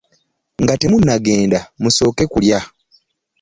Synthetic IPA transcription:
ŋɡate̞munːaɡe̞ːndamuso̞ːke̞kulja

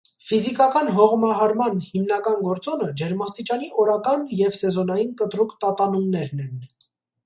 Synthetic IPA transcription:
fizikɑkɑnɦɔʁmɑɦɑɾmɑnhimnɑkɑnɡɔɾt͡sɔnəd͡ʒɛɾmɑst̪it͡ʃɑniʔɔɾɑkɑnjɛvsɛzɔnɑjinkət̪ɾukt̪ɑt̪ɑnumnɛɾnɛn

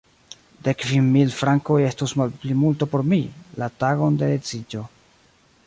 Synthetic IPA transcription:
de̞kvimːilfɾaŋko̞je̞stusmalplimultopo̞ɾmilataɡo̞ndeet͡sid͡ʒo̞

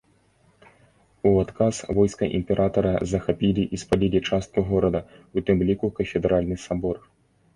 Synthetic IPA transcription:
uat̪kʰasvɔjskɐʔḭmʲpʲɛɾʔat̪ɐɾɐzɐxapʲilʲiʔispalʲilʲit͡ʂast̪̚kuɣɔɾɐd̪ɐut̪ɨmlʲikukɐfʲɛd̪ɾalʲnɨsabɔr

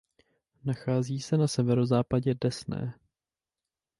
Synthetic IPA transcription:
naxaːziːsɛnasɛvɛɾo̞zaːpaɟɛdɛsnɛ̰ː

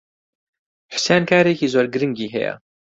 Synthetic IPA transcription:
ħʊ̥seːnkʰaːɾeːkiːzoːɾɡɨɾɨŋɡiːɦɛ̰jɛ̰

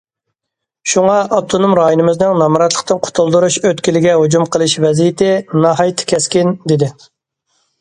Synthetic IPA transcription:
ʃuŋɑʔɑp̚t̪ʰonomɾɑːjonɨmɨznɪŋnɑmɾɑt̪lˠə̥qt̪ɨnqʰʊ̥t̪ʰulˠd̪uɾuʃøt̪kʲilɪɡʲɛɦud͡ʒumqʰəlˠɨʃvɛzijɪt̪ʰɪnɑɦɑjt̪ʰːɪ̥kʲɛskʲind̪ɪd̪ɪ

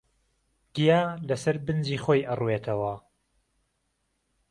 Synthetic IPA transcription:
ɡ̥ijaːlɐsɐɾbɨnd͡ʒiːxoːjʔɐruwet̪ʰɐwɐ

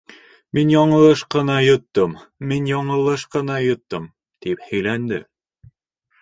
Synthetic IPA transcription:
minjɑɴɤ̆lˠɤʃqɤ̆nɑjŏt̪ːɤmminjɑɴɤ̆lˠɤʃqɤ̆nɑjŏt̪ːɤm | t̪iphɘ̆jlænd̪ɘ̰

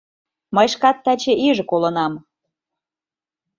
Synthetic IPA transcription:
mɤjʃkɑt̪ːæt͡ɕĕʔiʒɤ̆kolɤ̆nɑm

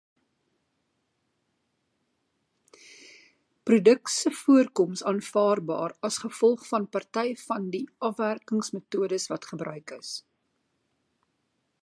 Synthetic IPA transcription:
prudəksəfuərkɔmsɑːnfɑːrbɑ̰ːrɐsχəfɔlˠχfɐnpɐrtɛjfɐndiʔɐfværkəŋsmətuədəsvɐtχəbrœɥkəs

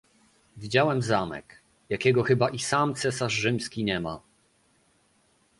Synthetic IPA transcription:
vʲid͡ʑawɛmzamɛ̰k | jakʲɛɡɔxɘbaʔisamt̪sɛsaʐːɘmskʲiɲɛma̰

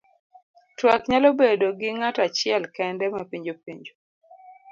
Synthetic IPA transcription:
twakɲalobedoɡɪŋatat͡ʃɪɛlkɛndɛmapiɲd͡ʒopiɲd͡ʒo

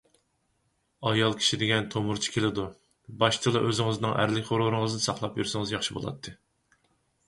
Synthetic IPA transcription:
ɑjɑlˠkʲʰi̥ʃid̪ɪɡʲɛnt̪ʰomuɾt͡ʃʰi̥kʲʰelɪd̪u | bɑʃt͡ʃ̪ʰɨlˠɑʔøzɪŋɨznɨŋʔæ̰ɾlɪkʲʰχoɾʊɾɨŋɨznɨsɑχlˠɑpjyɾsɨŋɨzjɑχʃibo̰lˠɑ̰t̪ʰːɨ

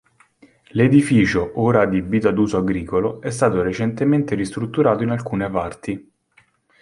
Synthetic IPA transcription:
led̪ifiːt͡ʃoʔoːɾad̪ibiːt̪ad̪uːzoaɡɾiːkoloɛst̪aːt̪oɾet͡ʃent̪ement̪eɾist̪ɾut̪ːuɾaːt̪oinalkuːnepart̪i

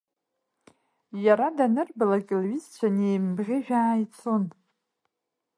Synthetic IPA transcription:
jaɾadanɨrbɨlakʲʼɪlɥizt͡ʃʷʰanejmbʁʲɪʒᶣaːjit͡sʰon

